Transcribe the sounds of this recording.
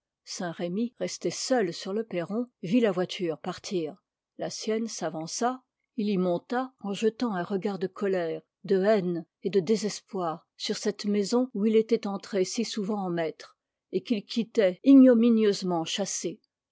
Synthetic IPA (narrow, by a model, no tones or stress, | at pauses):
sɛ̃ʁemiʁɛst̪ɛsœlsyʁləpeʁɔ̃vilavwat̪ʰyːʁpaʁt̪ʰiːʁ | lasjɛnsavɑ̃sa | ilimɔ̃t̪aɑ̃ʒət̪ɑ̃ɛ̃ʁəɡaʁd̪əkʰɔlɛʁ | d̪əɛn | ed̪əd̪ezɛspwaːʁ | syʁsɛt̪mezɔ̃uilet̪ɛt̪ɑ̃t̪χesisuvɑ̃ɑ̃mɛt̪χ | ekilkʲʰit̪ɛiɲɔminjøzmɑ̃ʃase